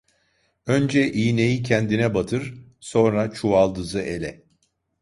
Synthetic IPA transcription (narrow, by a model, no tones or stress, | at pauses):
ø̞nd͡ʒɛʔiːne̞jicʰɛnd̪inɛbat̪ʰɯɾ̥so̞nɾat͡ʃʰualˠd̪ɯzɯʔe̞lʲɛ